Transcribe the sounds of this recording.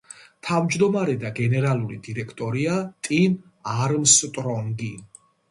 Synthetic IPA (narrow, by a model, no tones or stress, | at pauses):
t̪ʰavd͡ʒd̪ɔmaɾɛd̪aɡɛnɛɾalˠuɾḭd̪iɾɛkʰt̪ʼɔɾiat̪ʼin | aɾmst̪ʼɾɔŋɡi